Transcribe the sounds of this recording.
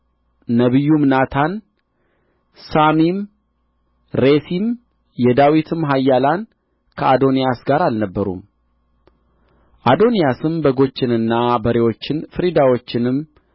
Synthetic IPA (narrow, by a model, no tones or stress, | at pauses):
əβɨjːumnat̪ʰan | samim | ɾesim | jɛd̪awit̪ʰɨmɦajːalan | kʰəʔad̪o̞nijasɡaɾalnəbːəɾṵm | ʔad̪o̞nijasɨmbəɡo̞t͡ʃːɪnɨnːabəɾewo̞t͡ʃːɪnfɨɾid̪awo̞t͡ʃːɪnɨm